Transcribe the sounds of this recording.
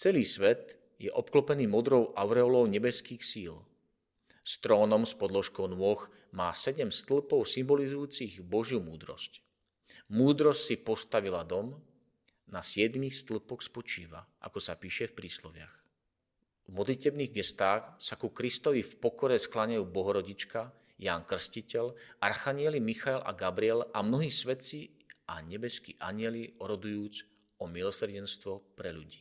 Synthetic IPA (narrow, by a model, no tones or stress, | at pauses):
t͡sɛliːsʋɛt̪ | jɛʔɔpklɔpɛniːmɔd̪ɾɔʊʔaʊɾɛɔlɔʊɲɛbɛskiːxsiːl | st̪ɾɔːnɔmspɔd̪lɔʃkɔʊnʊɔx | maːsɛɟɛmst̪l̩pɔʊsimbɔlizujuːt͡siɣbɔʒjumuːd̪ɾɔ̰sc | muːd̪ɾɔscsipɔst̪aʋilad̪ɔm | nasɪɛd̪mixst̪l̩pɔxspɔt͡ʃiːʋa̰ʔa̰kɔsapiːʃɛfpɾiːslɔʋɪa̰x | vmɔd̪licɛbniɣɡɛst̪aːxsakukɾist̪ɔʋifpɔkɔɾɛsklaɲajuːbɔɦɔɾɔɟit͡ʃka | jaːnkr̩scicɛlarxaɲɪɛlimixaɛla̰ɡabɾiɛlamnɔɦiːsʋɛt̪t͡si | ʔa̰ɲɛbɛskḭːʔaɲɪɛliɔɾɔd̪ujuːd͡z | ɔmilɔsrɟɛnst̪ʋɔpɾɛʎuɟiː